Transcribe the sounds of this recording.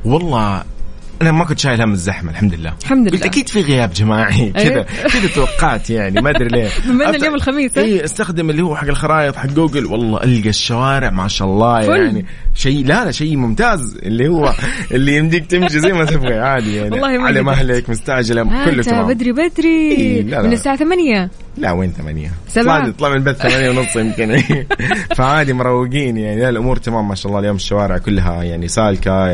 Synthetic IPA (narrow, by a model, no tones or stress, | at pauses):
wɑlˤːɑː | ʔanamakʊnt̪ʃaːjlhamːɪzːaħmalħamd̪lɪlːa̰ːħamd̪bɪlʔakiːd̪fiɣɪjaːbd͡ʒamaːʕikɪd̪akɪd̪at̪awɑqːɑːt̪jaʕnimad̪ɾileːmaaljoːmɪlxamiːsˤʔiːʔast̪axd̪ɪmɪlːihʊwːaħaɡːɪlxɑɾˤɑːʔɨt̪ˤħaɡːuːɡɪlwɑ̰lˤːɑ̰ːʔalɡaʃːawaːɾɪʕmaʕɪʃʔlˤːɑːjaʕni | ʃajlaaʃajːmʊmt̪aːz | ɪ̰lːihʊwːaʔɪlːijɪmd̪iːɡ̚t̪ɪmʃizajːmat̪ɪbɣiʕaːd̪ijaʕnilːɑːhalamʔaɦlɪkmʊst̪aʕd͡ʒalakʊlːʊaabad̪ɾibad̪ɾiiːlamnɪsaːʕaθamanja | laweːnθama̰nja̰saaːd̪it̪ˤlɑmɪlbaθːamaːnjawnʊsˤːjɪmk̪ɪn | faʕaːd̪imʊɾˤɑwːɪɡiːnjaʕnilalʔʊmuːɾt̪amaːmːaʃaʔlˤɑːljoːmɪʃːawaːɾɪʕkʊlːɦajaʕnisaːlka